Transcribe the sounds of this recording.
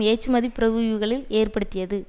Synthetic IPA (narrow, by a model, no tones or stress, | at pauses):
eːt͡ʃːɯmɐðipːɪɾɐɣɯɣɯɣɐɭɪleːrpɐɽɯt̪ːɪjɐðɯ